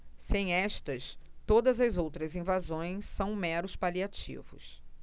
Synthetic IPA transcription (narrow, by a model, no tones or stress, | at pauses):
sẽj̃ɛʃt̪ɐst̪od̪ɐzɐzowt̪ɾɐzĩvazõj̃sːɐ̃w̃mɛɾʊspaliat͡ʃḭvʊ̰s